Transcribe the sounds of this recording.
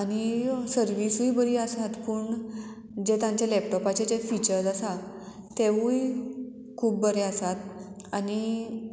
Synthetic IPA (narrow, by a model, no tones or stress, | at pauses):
añisəɾʋisujbəɾiəsat̪puɳ | d͡ʑet̪ãɲt͡ɕjalɛp̚ʈɔpat͡ɕed͡ʑefit͡ɕəɾsasa | t̪ːeuj | kʰuːp̚bəɾeəsat̪̚ | ani